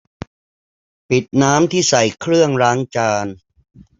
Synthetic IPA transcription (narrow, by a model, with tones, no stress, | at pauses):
pi˨˩t̪̚naː˦˥mt̪ʰiː˥˩sa˨˩jkʰɾɯ˥˩əŋɾaː˦˥ŋt͡ɕaː˧n